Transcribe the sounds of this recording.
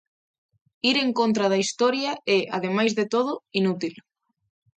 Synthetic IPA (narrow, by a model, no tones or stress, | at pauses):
iɾeŋkont̪ɾɐð̞ɐist̪ɔɾjɐɛʔaðemajzðet̪oð̞ʊinut̪il